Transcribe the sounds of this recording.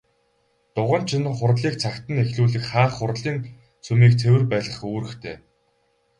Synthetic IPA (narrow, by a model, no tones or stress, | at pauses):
t̪ʊʁə̆n̥t͡ɕʰɪ̆nχʊɾɮiːk̚t͡sʰakt̪ə̆nexɮuːɮɘ̆kχaːχːʊrɮiːn | t͡sʰɵmiːkt͡sʰewɘ̆rpæːɮə̆χoːɾɘ̆xt̪ʰeː